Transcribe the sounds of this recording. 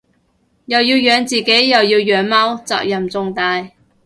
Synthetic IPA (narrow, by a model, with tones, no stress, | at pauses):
jɐ˨wjiː˧wjœː˨˧ŋt͡siː˨˩ke˨˥jːɐ˨˩wjiː˧wjœː˨˥ŋmaː˥wt͡sa̰ː˨k̚jɐ˨˩mt͡sʊ˧ŋt̪aː˧j